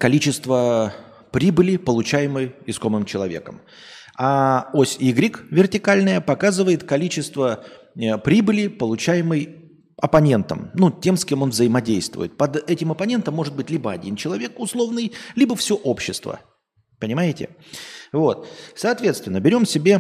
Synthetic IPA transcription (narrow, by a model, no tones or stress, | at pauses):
kɐlʲit͡ɕɪst̪və | pɾʲibɨlʲɪpəlˠʊt͡ɕæjɪmɨjɪsko̞mɨmt͡ɕɪlˠɐvʲe̞̰kə̰m | aosʲiɡɾʲikvʲɪrtʲɪkalʲnəjəpɐkazɨvəjɪt̪kɐlʲit͡ɕɪst̪və | əpɾʲibɨlʲɪpəlˠʊt͡ɕæjɪmɨj | ɐpɐnʲe̞nt̪ə̰mnutʲe̞mskʲe̞mo̞nvzəɪmɐdʲejst̪vʊ̰jɪt̪̚pɐd̪ɛtʲɪmɐpɐnʲe̞nt̪əmːo̞ʐɨt̪̚bɨtʲlʲibəɐdʲint͡ɕɪlˠɐvʲe̞kʊslˠo̞vnɨjlʲibəfsʲoʔopɕːɪst̪və̰ | pənʲɪmajɪtʲɪ̰vo̞t̪sɐːt̪vʲet̪st̪vʲɪnːəbʲɪɾʲo̞msʲɪbʲe̞